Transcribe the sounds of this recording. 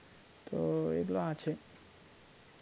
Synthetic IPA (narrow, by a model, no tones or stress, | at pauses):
t̪oḛkloat͡ʃʰe